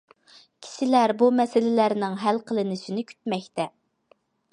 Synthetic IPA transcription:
kʲʰi̥ʃɪlæɾbumɛsɪlɪlæɾnɪŋɦælqʰəlˠɨnɪʃɪnɪkʲʰy̥t̪̚mɛkʲt̪ɛ

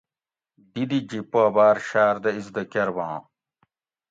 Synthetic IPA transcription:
d̪id̪id͡ʑipoɐbaːɾɕaːɾd̪ɐizd̪ɐkɐɾbãː

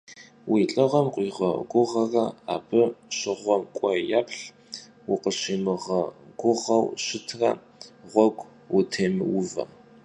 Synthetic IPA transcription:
wiːɬʼɨʁɐmqʷʼiːʁɐ̰ɡʷʊʁɐrɐa̰ːbɨɕɪʁʷɔmkʷʼɔjaːpʰɬ | wʊqəɕiːmɨʁɐɡʷʊʁɐwɕɪtʰrɐ̰ | ʁʷɔɡʷʼ | wʊtʰeːmɨ̰wʊvɐ̰

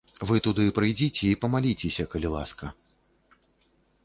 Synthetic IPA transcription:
vɨt̪ud̪ɨpɾɨjd͡zʲit͡sʲɛipɐmalʲit͡sʲesʲɐkɐlʲilˠa̰skɐ

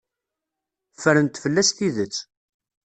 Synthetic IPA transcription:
fəɾənt̪fəlːæst̪iðət͡sː

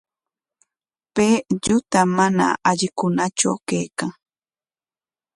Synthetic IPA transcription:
peːʎʊt̪amana̰ʔaʎɪkʊnat͡ʃa̰wkajkaŋ

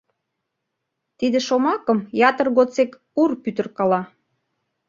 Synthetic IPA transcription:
t̪id̪ĕʃomɑkə̆mjɑt̪ərɣot͡sek | urpyt̪ə̆rkɑlɑ

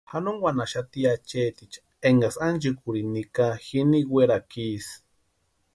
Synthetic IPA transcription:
hanoŋwʷanaʃat̪iat͡ʃet̪it͡ʃḁ | eŋɡasand͡ʒɨkuɾinikaxiniɡwʷeɾakis

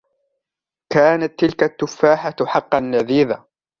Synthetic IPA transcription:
kaːnat̪ːɪlkat̪ːʊfːaːħaħɑqːɑnːaðiːða

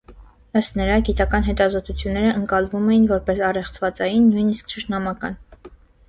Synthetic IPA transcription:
əst̪nəɾɑɡit̪ɑkɑnɦɛt̪ɑzɔt̪ut͡sʰjunːɛɾəʔəŋkɑlvumɛjinvɔɾpɛsɑrɛχt͡sʰvɑt͡sɑjinːujniskt͡ʃʰəʃnɑmɑkɑ̰n

